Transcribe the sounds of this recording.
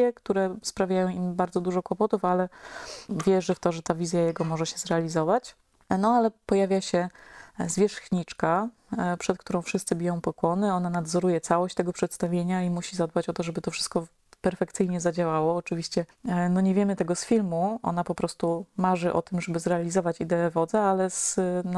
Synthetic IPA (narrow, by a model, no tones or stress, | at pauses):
ɛkt̪uɾɛspɾavʲjajɔ̃w̃imbaɾdzɔd̪uʐɔkwɔpɔt̪ufalɛ | vʲjɛʐɘft̪ɔʐɛt̪avʲizʲjajɛɡɔmɔʐɛɕɛzɾɛalʲizɔvat͡ɕ | nɔalɛpɔjavʲjaɕɛzvʲjɛʂxɲit͡ʂka | pʂɛt̪k̚t̪uɾɔ̃w̃fʂɨst̪sɘbʲijɔ̃w̃pɔkwɔnɘɔnanad̪zɔɾujɛt̪sawɔɕt͡ɕt̪ɛɡɔpʂɛt̪st̪avʲjeɲaimuɕizad̪̚bat͡ɕɔt̪ɔʐɛbɘt̪ɔfʂɘ̥st̪̚kɔ | pɛɾfɛkt̪sɘjɲɛzad͡ʑawawɔːt͡ʂɘvʲiɕt͡ɕɛnɔɲɛvʲjɛmɘt̪ɛɡɔsfʲilmuʔɔ̰n̪apɔpɾɔst̪umaʐɘʔɔ̰t̪ɘmʐɛbɘzɾɛalʲizɔvat͡ɕid̪ɛɛvɔd̪zɛalɛzn